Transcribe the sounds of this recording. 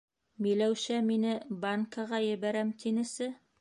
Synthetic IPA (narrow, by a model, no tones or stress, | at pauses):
milæwʃæminɘbaŋkɑʁɑjɘ̆βæɾæmt̪inɘ̆sɘ